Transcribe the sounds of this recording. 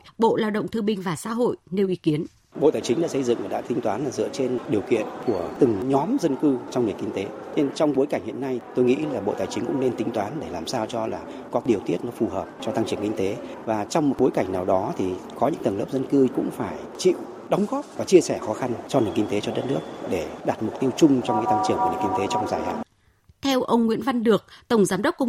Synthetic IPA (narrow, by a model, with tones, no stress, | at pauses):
ɓo̰˧˨laː˧wɗə̰˧˨wŋ͡mt̪ʰɨ˧ɓï˧ŋ̟vaː˨˩sa̰ː˧˥ɦo̰˧˨jne˨˧˩wʔi˨˦ki˨˦ən | ɓo̰˧˨t̪aː˨˩jt͡ɕi˨˦ɗa̰ː˧˥sə˧jzɨ̰˧˨ŋvaː˨˩ɗa̰ː˧˥t̪ï˨˦ŋ̟t̪waː˨˦nlaː˨˩zɨ̰˧˨ət͡ɕe˧nɗi˨˩əwkḭ˧˨ənku˧˩ət̪ɨ˨˩ŋɲɔ˨˦mzə˧nkɨ˧t͡ɕɔ˧wŋ͡mnɨ˨˩əŋkï˧ŋt̪e˨˦ | ɲe˧nt͡ɕɔ˧wŋ͡mɓo˨˦jka˧˩ŋhḭ˧˨ənːa˧jt̪o˧jŋḭ˧˥laː˨˩ɓo̰˧˨t̪aː˨˩jt͡ɕï˨˦ŋ̟kʊ̰˧˥ŋ͡mne˧nt̪ï˨˦ŋ̟t̪waː˨˦nɗe˧˩laː˨˩msaː˧wt͡ɕɔ˧laː˨˩ | kɔ˨˦ɗi˨˩əwt̪i˦˥ət̚nɔ˨˦fu˨˩həː˨˩p̚t͡ɕɔ˧t̪a˧ŋt͡ɕɨ˧˩əŋkï˧ŋ̟t̪e˨˦vaː˨˩t͡ɕɔ˧wŋ͡mmo˨˩t̚ɓo˨˦jka˧˩jŋ̟naː˨˩wɗɔ˨˦t̪ʰi˨˩kɔ˨˦ɲɨ̰˧˥ŋt̪ə˨˩ləː˦˥p̚zə˧nkɨ˧kʊ̰˧˥ŋ͡mfaː˧˩jt͡ɕḭ˧˨w | ɗə˨˦wŋ͡mɣɔ˦˥p̚vaː˨˩t͡ɕi˧əsɛ˧˩xɔ˨˦xa˧nt͡ɕɔ˧nɨ˨˩ənŋki˧ŋ̟t̪e˨˦t͡ɕɔ˧ɗə˦˥t̚nɨ˦˥ək̚ɗe˧˩ɗaː˨˩t̚mʊ˨˩k͡p̚t̪i˧əwt͡ɕʊ˧ŋ͡mt͡ɕɔ˧wŋ͡mka̰ː˨˦jt̪a˧ŋt͡ɕɨ˧˩əŋku˧˩n˨˩ŋki˧ŋ̟t̪e˨˦t͡ɕɔ˧wŋ͡mzaː˧˩jha̰ː˧˨ | t̪ʰɛ˧wʔə˧wŋ͡mŋwḭ˧˥ənva˧nɗɨ˨˩ək̚t̪ə˧˩wŋ͡mzaː˨˦mɗə˦˥k͡p̚kːʊ˧ŋ͡m